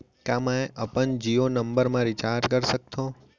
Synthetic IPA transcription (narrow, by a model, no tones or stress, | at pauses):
kãmãeʔəpənd͡ʒionəmbəɾmãɾit͡ʃaɾd͡ʒkəɾsək̚t̪ʰõ